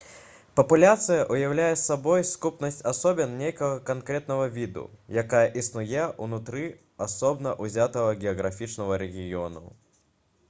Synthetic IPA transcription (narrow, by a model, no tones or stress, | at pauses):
pɐpulʲat̪sɨjɐʔujawlʲajɛsːabɔjskupnɐsʲtʲasɔbʲɛnnʲejkɐɣɐkankɾɛt̪̚nɐɣɐvʲid̪ṵjakajɐʔisnujɛʔunut̪ɾɨ | asɔbnɐʔuzʲat̪ɐɣɐɡʲɛɐɣɾafʲit͡ʂnɐɣɐɾɛɣʲijɔnṵ